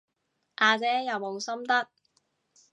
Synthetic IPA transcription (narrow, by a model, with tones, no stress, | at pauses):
ʔaː˨˧t͡sɛː˨˥jɐ˨˩wmo˨˧wsɐ˥mt̪ɐ˥k̚